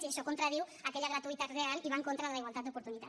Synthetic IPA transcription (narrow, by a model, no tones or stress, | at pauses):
iaʃɔkont̪ɾaðiwakɛʎaɣ̞ɾat̪uit̪at̪realiβaŋkont̪ɾaðəlaiwalˠt̪at̪d̪upoɾt̪unit̪a